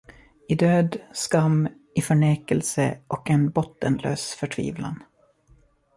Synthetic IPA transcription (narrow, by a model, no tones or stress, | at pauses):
ɪd̪øːd̪skamː | ɪfœɳeːkəlsə̰ʔɔkɛnbɔt̪ːənlø̰ːsfœʈʰvḭːvla̰n